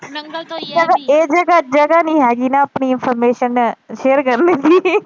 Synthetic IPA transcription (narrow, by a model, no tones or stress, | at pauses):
d͡ʒɐɡaeːd͡ʒɐɡad͡ʒɐɡaniɦɛːɡinaɐpɳiɪnfʰəɾmeːʃənːʃeːəɾkɐɾnet̪ʰiː